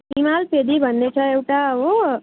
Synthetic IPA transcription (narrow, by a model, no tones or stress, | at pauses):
imalpeːd̪ibənːet͡ʃʰəewʈao